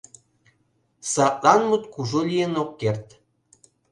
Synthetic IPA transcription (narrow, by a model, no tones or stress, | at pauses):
sɑʔlɑnmut̪kuʒolʲijenokːert̪